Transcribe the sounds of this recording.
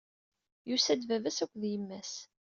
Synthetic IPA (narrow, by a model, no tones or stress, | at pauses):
jusæd̪vævæsækʷːðjəmːæs